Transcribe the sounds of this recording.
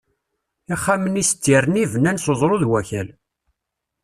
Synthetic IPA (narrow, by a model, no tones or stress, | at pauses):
iχːamənist̪ːiɾənivənːænsozˤɾˤoðwæçæl